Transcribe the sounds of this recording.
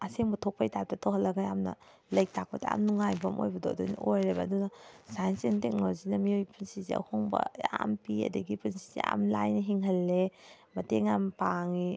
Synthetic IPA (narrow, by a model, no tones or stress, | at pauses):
ɐseŋbɐtʰok̚pʰɐjtaɾ̚tɐtʰawɦɐlːɐɡajamnɐ̰ | lɐjk̚tʰak̚pɐdɐa̰mnuŋajbɐmʔo̰jbɐdoɐdojn̰ojɾɐbɐːdunɐsajnsentek̚nozinɐmiojpunsizḭɐ̰hoŋbɐ̰jampiɐ̰dɐɡipunsizḛa̰mlajnɐɦiŋɦɐlːe | mɐteŋampaŋi